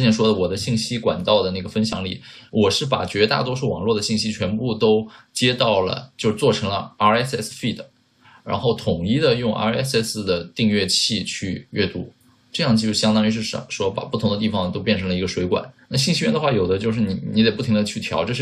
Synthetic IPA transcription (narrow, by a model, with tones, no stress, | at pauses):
jɛ˥nʂwɔ˥d̪ə˨wɔ˨˩d̪ə˦ɕi˥˩ŋɕi˥kwa̰˨˩nt̪ɑ˥˩ʊd̪ə˩na˥˩ɡə˩fə˥nɕjɑ̰˧˥ŋlḭ˥˩wʔɔ˨˩ʂɻ̩˥˩pa̰˨˩t͡ɕɥɛ˧˥t̪a̰˥˩t̪wɔ˥ʂu˥˩wɑ̰˨˩ŋlwɔ˥˩d̪ə˩ɕi˥˩ŋɕi˥t͡ɕʰɥɛ˧˥npu˥˧˩t̪o˥ʊt͡ɕjɛ˥t̪ɑ˥˩ʊlə̰˩t͡ɕjo˥˧ʊʂ̩˧t͡swɔ˥˩ʈ͡ʂʰɤ˧˥ŋlə˧a˥ɛ˥sɛ˥sfi˥˩d̪ə˩ | ɻa̰˧˥nxo˥˩ʊt̪ʰʊ˨˩ŋi˥˩d̪ə˨jʊ˥˧ŋʔa̰˧˥ɛ̰˥sɛ˥˩s̩˧˩d̪ə˩t̪i˥˧ŋɥɛ˥˧t͡ɕʰi˥˧t͡ɕʰy˥˧ɥɛ̰˥˧t̪u˥ | ʈ͡ʂɤ˥˧jɑ˥˧ŋət͡ɕi˥˧˥ɕjɑ˥ŋt̪ɑ˥ŋi˧˥ʂ̬ɻ̩˥˩ʂʂwɔ˥pa̰˨˩pu˥˩ʊ˧˥ŋd̪ə˧t̪i˥˩fɑ˨˩ŋt̪o˥ʊpjɛ˥˩nʈ͡ʂʰɤ˧˥ŋlə˧i˧˥ɡə˧ʂwe˧˥ɪkwa̰˨˩˦nna˥˩ɕi˥˧ŋɕi˥ɥɛ˥˩nd̪ə˧xwa˥˩jo˨˩ʊd̪ə˦t͡ɕjo˥˧ʂɻ̩˥˩ni˨˩ni˧˥d̪e˨˩pu˥˩i˥ŋd̪ə˧t͡ɕʰy˥˩t̪ʰjɑ˧˥ʊʈ͡ʂɤ˥˧ʂɻ̩˥˩